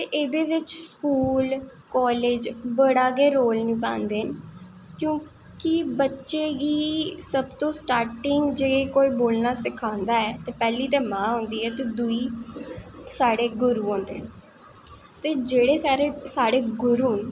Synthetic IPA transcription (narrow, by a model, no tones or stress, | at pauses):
t̪eːʔeːd̪eːʋɪt͡ʃskuːl | kɔːleːd͡ʒbəɽaːɡeːɾoːlnĩːpã̰ːnd̪eːn | kjõː | kɪbətːʃeːɡiːsəbt̪õːsʈaːɾʈɪŋɡd͡ʒeːkoːiːboːlnaːsɪkʰãːnd̪aːɛːt̪eːpɛːliːt̪eːmãːɦõːnd̪iːɛːt̪eːd̪ʊiː | saːɽeːɡʊɾuːɦõːnd̪ḛːn | t̪eːd͡ʒeːɽeːsaːɾeːsaːɽeːɡʊɾuːn